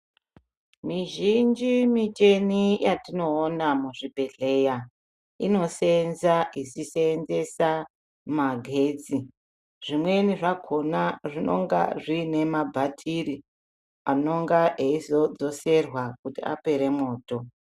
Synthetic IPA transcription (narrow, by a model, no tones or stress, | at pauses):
miʒind͡ʒimit͡ʃe̞nijatino̞ːnamuʐibʱe̞ɮe̞ja | ino̞senzaʔisiseːnze̞sa | maɡʱe̞ːd͡zi | ʐ̥imwe̞niʐaɡʰʱo̞naʐino̞̰ŋɡa̰ʐiːne̞mabʱatʰiri | ano̞ŋɡaeizo̞d͡zo̞se̞rwakutia̰pe̞ɾe̞mo̞ːto̞